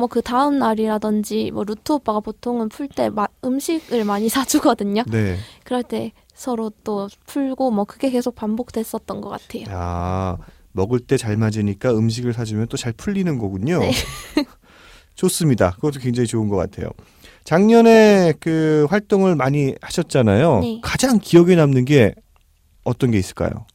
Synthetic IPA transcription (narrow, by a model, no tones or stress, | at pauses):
mwʌkɯtaɯmnaɾiɾadɯnd͡ʑimwʌɾutʰop͈aɡapotʰoŋɯnpʰuɭt͈e̞̰maɯmɕʰiɡɯɭmaɲisʰad͡ʑuɡʌdɯɲone̞kɯɾʌɭt͈e̞ | sʰʌɾot͈opʰuɭɡomwʌkɯɡe̞ke̞sʰok̚pambok̚t͈we̞s͈ʌt̚t͈ʌnɡʌk͈atʰe̞joa | mʌɡɯɭt͈e̞t͡ɕaɭmad͡ʑiɲik͈aɯmɕ̬ʰiɡɯɭsʰad͡ʑumjʌnt͈ot͡ɕaɭpʰuʎːinɯnɡʌɡuɲo | t͡ɕos͈ɯmɲida̰kɯɡʌt͈okweŋd͡ʑaŋit͡ɕoɯnɡʌk͈a̰tʰe̞̰jo̰ | t͡ɕaŋɲʌne̞kɯɸwaɭt͈oŋɯɭmaɲihaɕʰʌt̚t͡ɕ͈anajonekad͡ʑaŋkiʌɡenamnɯnɡe̞ | ʌt͈ʌnɡe̞is͈ɯ̥ɭk͈a̰jo̰